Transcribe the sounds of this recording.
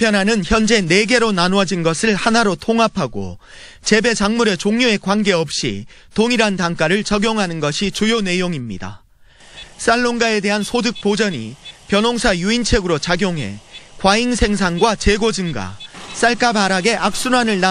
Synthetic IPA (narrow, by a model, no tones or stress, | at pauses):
pʰjʌnɦanɯnçjʌnd͡ʑe̞ne̞ɡe̞ɾonanoʌd͡ʑinɡʌsʰɯɭhanaɾotʰoŋɦapʰaɡo̰ | t͡ɕe̞be̞d͡ʑaŋmuɾe̞t͡ɕoŋɲoe̞kwanɡe̞ʌp̚ɕ͈ḭ | toŋiɾantaŋk͈aɾɯɭt͡ɕʌɡjoŋɦanɯnɡʌɕʰit͡ɕujone̞joŋimɲida̰ | s͈aɭːoŋɡae̞de̞ɦansʰodɯk̚p͈od͡ʑʌɲḭpjʌnoŋsʰajuint͡ɕʰe̞ɡɯɾot͡ɕaɡjoŋɦe̞̰kwaiŋsʰe̞ŋs̬ʰaŋɡwat͡ɕe̞ɡod͡ʑɯŋɡa̰s͈aɭk͈abaɾaɡe̞ʔak̚s͈unanɯɭna